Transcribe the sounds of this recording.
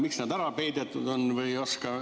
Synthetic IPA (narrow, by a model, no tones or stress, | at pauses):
miksnæd̪æɾɑpejd̪et̪ːˑud̪onvɯjoskɑ